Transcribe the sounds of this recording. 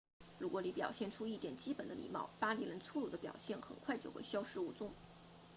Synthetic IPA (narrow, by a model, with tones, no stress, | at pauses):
ɻu˧˥kwɔ˧˥ni˧˥pjɑ˨˩ʊɕjɛ˥˩nʈ͡ʂʰu˥i˥˩t̪jɛ˨˩nt͡ɕi˥pə˨˩nd̪ə̰˦lḭ˨˩mɑ̰˥˩ʊpa˥li˧˥lə˧˥nt͡sʰu˥˧lu˨˩d̪ə˦pjɑ̰˨˩ʊɕjɛ˥˩nxə̰˨˩nkʰwa˥˧ɪt͡ɕjo˥˧xe˥˩ɪɕjɑ˥ʊʂɻ̩˥˧u˥˩t͡sʊ˥˩ŋ